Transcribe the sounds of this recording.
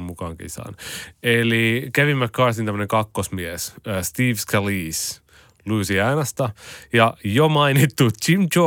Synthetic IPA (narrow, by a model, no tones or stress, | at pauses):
mmukɑːŋkḭsɑ̰nelikæʋimːækkɑːsint̪æm̆ːneŋkɑkːosmiesːst̪iːʋskæliːs | luːsiɑinɑst̪ɑjɑjomɑinit̪ːut͡ʃimt͡ʃo